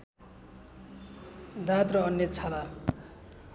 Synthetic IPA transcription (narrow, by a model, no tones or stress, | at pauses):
d̪ʱat̪rʌʌnjʌt͡sʰala